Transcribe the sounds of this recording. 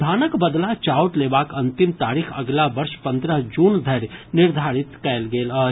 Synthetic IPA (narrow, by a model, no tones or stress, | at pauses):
d̪ʱaːnəkbəd̪lat͡ʃaːwʈleːʋaːkɐnt̪imt̪aːɾixʰɐɡlaʋɐɾʃpɐ̃nd̪ɾəɦd͡ʒuːnd̪ʱɐɾnɪɾd̪ʱaːɾit̪kɛːlɡeːləː